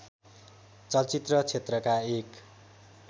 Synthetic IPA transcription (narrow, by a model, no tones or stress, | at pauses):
t͡sʌlt͡sit̪rʌt͡sʰet̪rʌkaek